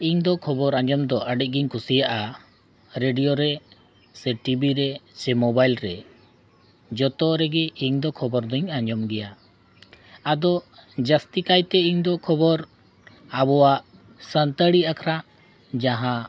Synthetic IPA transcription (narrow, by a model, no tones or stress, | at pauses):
iɲd̪ɔkʰɔbɔɾaɲd͡ʒɔmd̪ɔʔəɖic̚ˀɡiɲkʰusijaʔa | ɾeɖijɔɾɛ | sɛʈibiɾɛt͡ʃɛmɔbajlɾɛ | d͡ʒɔt̪ɔɾɛɡɛiɲd̪ɔkʰɔbɔɾd̪ɔiɲaɲd͡ʒɔmɡɛja | ad̪ɔd͡ʒast̪ikajt̪ɛiɲd̪ɔkʰɔbɔɾ | abɔwaʔ | sənt̪əɽiakʰɾaʔ | d͡ʒaɦã